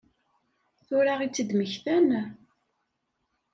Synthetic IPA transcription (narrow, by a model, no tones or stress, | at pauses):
θʊɾaʁit͡sːəd̪məçθæn